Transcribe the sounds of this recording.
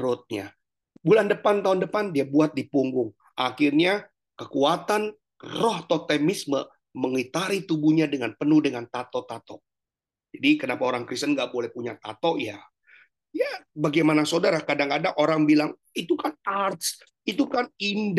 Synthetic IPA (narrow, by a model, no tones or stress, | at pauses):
ɾʊt̪̚ɲa | bulandəpant̪aɦʊndəpandiabuat̪̚dipuŋɡʊŋ | ʔaxɪrɲa | kəkuat̪an | rɔht̪ɔt̪ɛmɪsmə | məŋit̪aɾit̪ubuɲadəŋanpənuhdəŋant̪at̪ɔt̪at̪ɔʔ | d͡ʒadikənapaoɾaŋkɾist̪ənŋɡaʔbolɛhpuɲat̪a̰t̪ɔʔja | jabaɡajmanasodaɾakadaŋkadaʔoɾaŋbilaŋ | it̪ukanart̪s | it̪ukanind